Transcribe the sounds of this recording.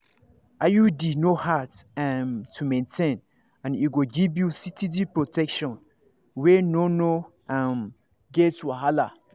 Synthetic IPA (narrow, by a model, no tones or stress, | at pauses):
ʔajudinohatmtʰumɛ̃ntʰẽn | ãniɡoɡivjusitʰidipɹotɛkʃɔ̃n | wɛnono | am | ɡetwaɦala